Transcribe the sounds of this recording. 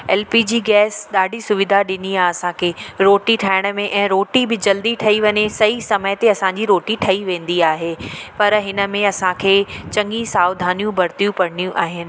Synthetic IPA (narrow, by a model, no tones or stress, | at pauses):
ɛːlpid͡ʑiːɡɛːsɗaːɖʱisʊʋɪd̪ʱaɗɪniaɐsãkʰeːɾoːʈiʈʰaːɪɽ̃ə̆mẽʔɛ̃ːɾoːʈibɪd͡ʑɐld̪iʈʰɐiʋɐɲesɐisɐməjt̪eɐsãːɲ̆d͡ʑiɾoːʈiʈʰɐiʋẽːnd̪iaːɦeːpɐɾɦɪnə̆mẽɐsãkʰeːt͡ɕɐ̃ŋɡisaːʊd̪ʱaːnijũbʱɐɾt̪ijũpɐɽnijũʔaːɦɪnɪ̆